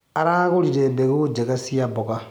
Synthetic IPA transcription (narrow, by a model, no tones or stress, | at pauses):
aɾaɣuliɾebeɣud͡ʒekasijaboka